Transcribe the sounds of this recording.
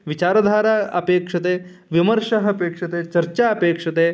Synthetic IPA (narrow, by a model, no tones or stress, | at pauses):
ʋit͡ɕaːɾɐd̪ʱaːɾaɐ̰peːkʂɐt̪̬eː | ʋiməɾʂɐɦɐpeːkʂɐt̪eːt͡ʃɐɾt͡ʃaɐpeːkʂɐt̪eː